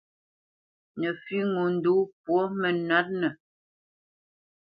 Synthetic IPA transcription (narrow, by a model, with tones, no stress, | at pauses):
nə˨fi˦ŋo˨n̩˨du˨˦pwɔ˦mə˨na˦t̚nə˨